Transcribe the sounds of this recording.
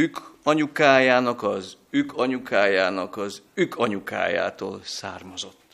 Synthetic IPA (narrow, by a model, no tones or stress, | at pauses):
ykɒɲukaːjaːnɒkɒzykʰɒɲukaːjaːnɒkɒzykʰɒɲuka̰ːja̰ːt̪o̰ːlsa̰ːrmɒzo̞t̪ː